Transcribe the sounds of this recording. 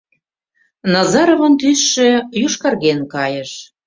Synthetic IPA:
nɑzɑɾovɤ̆nt̪ysʃø̆juʃkɑrɣenkɑjə̆ʃ

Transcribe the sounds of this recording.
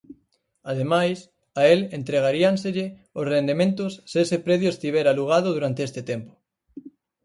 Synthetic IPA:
að̞emajs | aelent̪ɾeɣ̞aɾianseʎe | osrend̪emẽnt̪osːeesepɾeðjoest̪iβ̞eɾaluɣ̞að̞oðuɾant̪eest̪et̪empo̥

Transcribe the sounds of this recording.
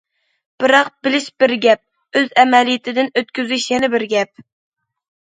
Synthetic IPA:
b̥ɨɾɑq̚bɪlɪʃb̥ɪɾɡʲɛp̚ | øzɛmɛlijɪt̪ʰɪd̪ɪnøt̪̚kʲyzyʃjɛnɪbɪɾɡʲɛp̚

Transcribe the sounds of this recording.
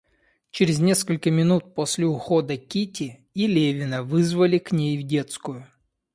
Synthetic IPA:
t͡ɕeɾʲɪzʲnʲe̞skəlʲkəmʲɪnut̪̚posʲlʲɪʊxo̞d̪əkʲitʲɪ | ilʲevʲɪnəvɨzvəlʲɪknʲejvdʲe̞t̪skʊjʊ

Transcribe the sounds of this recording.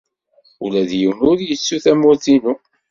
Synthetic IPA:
ulæðjiwnʊɾjət͡sːuθæmʊɾθinu

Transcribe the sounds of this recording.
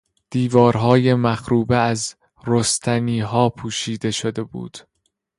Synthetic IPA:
d̪̥iːvɒːɾɦɒːje̞mæxɾuːbeæz | ɾost̪ʰæniːɦɒːpʰuːʃiːd̪e̞ʃod̪e̞bṵːd̪̥

